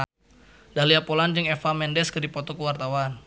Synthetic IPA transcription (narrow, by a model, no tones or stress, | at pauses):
daliapoland͡ʒɨŋɛfamɛndɛskədipɔt̪ɔkəwart̪awan